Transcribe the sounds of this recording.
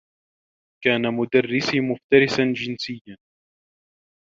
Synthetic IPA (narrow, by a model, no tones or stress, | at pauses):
kaːnamʊd̪arːɪsimʊft̪aɾɪsand͡ʒɪnsɪjːan